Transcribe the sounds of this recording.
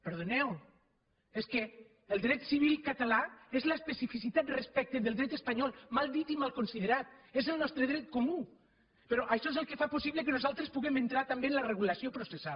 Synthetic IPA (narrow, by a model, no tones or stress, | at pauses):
peɾðonɛw | eskeː | lˠd̪ɾɛt̪siβ̞ilˠkat̪alaezlaespesifisit̪at̪respɛk̚t̪eðelˠd̪ɾɛt̪espaɲɔlˠmalˠd̪it̪imalˠkonsiðeɾat̪̚ezelˠnɔst̪ɾeðɾɛt̪̚komu | peɾoʔaʃɔezelˠkefaposiβlekenozalˠt̪ɾespuɣement̪ɾat̪ambenlareɣulasiopɾosesa